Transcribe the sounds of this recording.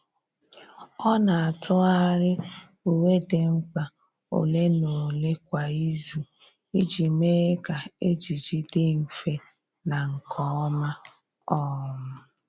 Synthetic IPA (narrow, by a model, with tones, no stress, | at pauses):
ɔ˦na˨a˨tʰʊ˦a˦ɾɪ˦ | u˨we˦de˨ŋ͡m̩˦k͡pa˨ | o̰˨le˦no˨le˦kʷa˨i˦zu˨ | i˦d͡ʒi˨me˦ka˨e˦d͡ʒi˨d͡ʒi˦de˦m̩˨fe˦ | na˨ŋ̩˨kʰɔ˨˦ɔ˦ma˦ | ɔ˦˨mʊ˦